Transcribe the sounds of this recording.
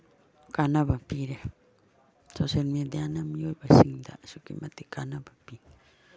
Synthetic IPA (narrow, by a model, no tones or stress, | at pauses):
kanãβapiɾe | soselmĩẽd̪eanãmĩjoɾbasiŋnd̪a̰sokḭmãt̪ikanãbapi